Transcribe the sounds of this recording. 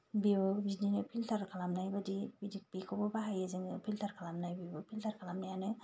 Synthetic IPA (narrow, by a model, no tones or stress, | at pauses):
bibɯbizninɯpʰilt̪ʰaɾkʰalamnajbədibidik̚pikʰobɔbaɦajeziŋpʰilt̪ʰaɾkʰalamnajbibɯpʰiltʰaɾkʰalamnajanɯ